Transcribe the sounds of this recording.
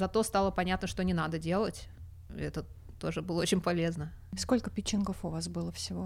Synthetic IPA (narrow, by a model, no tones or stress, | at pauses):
zɐt̪o̞st̪alˠəpɐnʲat̪nəʂt̪o̞nʲɪnad̪ədʲe̞lˠətʲ | ɛt̪ə | t̪o̞ʐɨbɨlˠəot͡ɕɪnʲpɐlʲe̞znəskolʲkəpʲɪt͡ɕːɪnkofʊvasbɨlˠəfsʲɪvo